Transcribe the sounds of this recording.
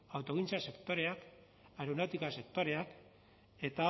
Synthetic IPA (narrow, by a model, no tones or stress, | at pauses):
awt̪o̞ɣ̞int͡sase̞kt̪o̞ɾe̞ak | aɾunawt̪ikase̞k̚t̪o̞ɾe̞ak | e̞t̪a